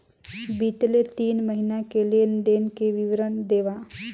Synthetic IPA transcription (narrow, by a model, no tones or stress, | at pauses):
biːt̪let̪iːnməɦinakeliend̪eːnkeʋɪʋɾənd̪eːʋa